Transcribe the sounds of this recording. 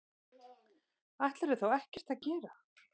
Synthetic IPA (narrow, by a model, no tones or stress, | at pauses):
aht̪laɾɛɾ̥θowɛhcɛr̥t̪aðcɛːɾa